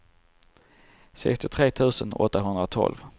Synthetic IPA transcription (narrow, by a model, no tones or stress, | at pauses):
sɛ̰kst̪ɪt̪ʰɾeːt̪ʰʉ̟ːsənɔ̰t̪ːaɦɵnd̪ɾat̪ʰɔ̰lv